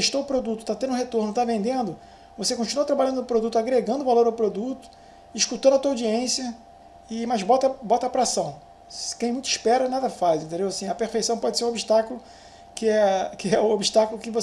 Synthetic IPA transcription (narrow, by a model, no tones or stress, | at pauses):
t̪eʃt̪oʊpɾod̪ut̪ʊ̥t̪at̪ẽd̪ʊ̃ɦet̪oɾnʊt̪avẽnd̪ẽnd̪ʊ | vosekõt͡ʃinuɐt̪ɾabaʎɐ̃nd̪ʊʊpɾod̪ut̪ʊaɡɾeɡɐ̃nd̪ʊvaloɾawpɾod̪ut̪ʊ̥ | iʃkut̪ɐ̃nd̪ɐt̪uawd͡ʒiẽsiɐ | ɪmɐzbɔt̪ɐbɔt̪ɐapɾasɐ̃w̃ | kẽj̃mũj̃t̪ʊɪʃpɛɾɐnad̪ɐfajzĩnt̪̬ẽnd̪ewasĩɐpeɾfejsɐ̃w̃pɔd͡ʒɪseɾũobiʃt̪akʊlʊ | kɪɛkɪɛʊobiʃt̪akʊlʊkɪvo